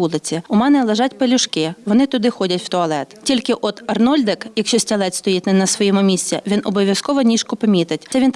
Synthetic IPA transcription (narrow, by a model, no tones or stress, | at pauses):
ulˠɪt͡sʲiʊmɛnɛlˠeʒɑtʲpelʲʊʃkɪʋɔnɪt̪ʊd̪ɪxɔdʲɐtʲw̥t̪ɔɐlˠɛt̪tʲilʲkɪʔɔd̪ɐrnɔlʲd̪ɪkjɐkʃt͡ʃɔsʲtʲɐlˠɛt̪st̪ɔjitʲnɛnɐsʋɔjɛmʊmʲisʲt͡sʲɛʋʲinɔbɔʋʲjɐskɔʋɔnʲiʃkʊpɐmʲit̪ɪtʲɛʋʲint̪